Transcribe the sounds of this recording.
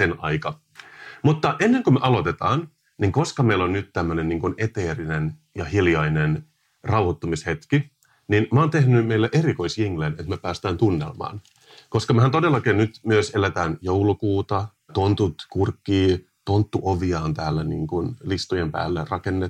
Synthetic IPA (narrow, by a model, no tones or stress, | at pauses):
senɑ̰ikɑ | mut̪ːɑʔenːeŋkømøʔɑlo̞t̪et̪ɑːn | niŋko̞skɑmeilonnyt̪t̪æmːønenniːŋkunet̪eːrinen | jɑhiljɑinen | rɑwhot̪ːomishet̪ki | ninmoːnt̪ehnymeilːæʔeɾiko̞isjiŋlenet̪mepæːst̪æːnt̪unːḛlmɑ̰ːn | koskɑmehænt̪odelːɑkeːnnyt̪myøselæt̪æːnjoulukuːt̪ɑ | t̪ont̪ut̪kurkːiː | t̪ont̪ːuʔoʋiɑːnt̪æːlːænḭːŋkunlist̪ujempæ̰ːlːerɑkenːe